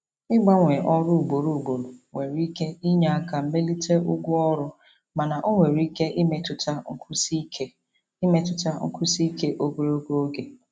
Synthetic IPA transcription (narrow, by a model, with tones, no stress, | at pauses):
ɪ˦ɡ͡ba˦ŋʷe˨ʔɔ˦ɾʊ˦u˨ɡ͡bo˨ɾu˨u˨ɡ͡bo˨ɾo˨ŋʷe˨ɾi˦ke˦i˦ɲa˨a˦ka˨m̩˦me˦li˦te˦ʊ˦ɡʷʊ˦ɔ˦ɾʊ˦ | ma˨na˨ʔo˦ŋʷe˨ɾi˦ke˦ʔi˦me˨tʊ˨ta˦ŋ̩˦kʊ˦si˦ke˦ | i˦me˦tʊ˨ta˦ŋ̩˦kʊ˦si˦ke˦ʔo˦ɡo˦ɾo˦ɡo˦o˦ɡe˨